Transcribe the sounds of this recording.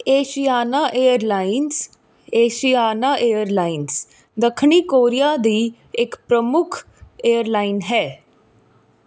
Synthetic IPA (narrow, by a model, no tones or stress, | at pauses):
eːʃijaːnaːʔeːəɾlaːɪns | eːʃijaːnaːʔeːjəɾlaːɪns | d̪əkʰɳiːkoːɾijaːd̪iː | ɪkpɾəmʊkʰ | eːəɾlaːɪnɦɛː